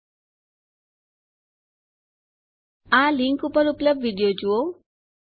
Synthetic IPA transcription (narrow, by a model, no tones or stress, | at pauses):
aliŋkupəɾupləb̚dʋiɖijod͡ʒuo